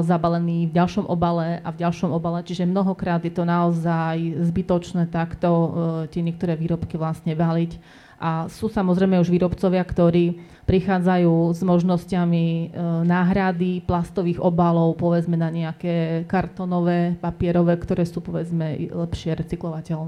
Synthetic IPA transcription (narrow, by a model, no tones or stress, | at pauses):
zabalɛniːvɟalʃɔmʔɔ̰balɛʔavɟalʃɔmɔbalɛt͡ʃiʒɛmnɔɦɔkɾaːd̪jɛt̪ɔnaɔzajzbit̪ɔt͡ʃnɛːt̪akt̪ɔt̪ɪɛɲɪɛk̚t̪ɔɾɛːʋiːɾɔpkiʋlasɲɛbalic | ʔasuːsamɔzɾɛɪmɛuʒʋiːɾɔpt͡sɔʋɪakt̪ɔɾiː | pɾixaːd͡zajuːzmɔʒnɔscaminaːɦɾad̪iplast̪ɔʋiːɣɔbalɔʊpɔʋɛd͡zmɛnaɲɛakɛːkaɾt̪ɔnɔʋɛːpapɪɛɾɔʋɛːkt̪ɔɾɛːsuːpɔʋɛd͡zmɛlɛpʃɪɛɾɛt͡siklɔʋacɛlnɛː